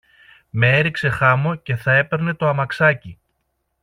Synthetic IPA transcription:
me̞eɾikse̞xɐmo̞ce̞θɐe̞pe̞ɾne̞t̪o̞ɐmɐksɐci

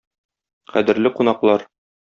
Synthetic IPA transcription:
qæ̰d̪ɘ̆ɾlɘqunɑqlˠɑɾ

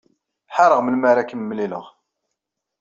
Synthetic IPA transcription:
ħɑɾˤəʁməlmæɾækəmːlilə̰ʁ

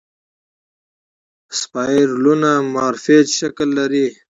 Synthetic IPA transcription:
spaːɾlunamaːɾfetʃɐklːaɾi

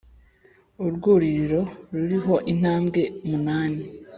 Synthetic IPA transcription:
uɾɡuːɾiɾiɾo̞ɾuɾiɦo̞ʔin̥haːmɡe̞munaːne

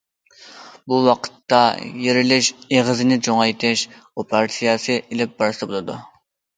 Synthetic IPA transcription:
buwɑqʰə̥t̪ːɑjeɾɪlɪʃeʁəzɪnɪd͡ʒoŋɑjt̪ʰɪʃ | opʰɑɾt̪ʰijɑsɨʔilɪp̚bɑɾsɨbolˠɨd̪u

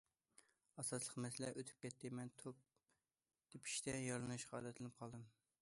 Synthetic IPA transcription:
ɑsɑslˠəqmɛsɪlɛʔøt̪ʰy̥p̚kʲɛt̪ʰːɪmɛnt̪ʰop̚ | d̪̥ɪpʰi̥ʃt̪ɛjɑɾlˠɨnɨʃqɑɑːd̪ɛt̪ʰlɪnɨp̚qʰɑlˠd̪ɨm

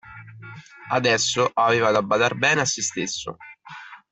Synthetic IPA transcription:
ad̪ɛsːoʔaveːvad̪abːad̪arbɛːneasːest̪esːo̰

